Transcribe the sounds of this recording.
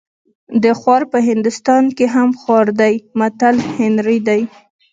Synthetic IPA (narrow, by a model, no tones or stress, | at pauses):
d̪əxwɑɾpəɦɪnd̪ʊst̪ɑnkeɦamxwɑɾd̪ajmat̪alhɪnɾid̪aj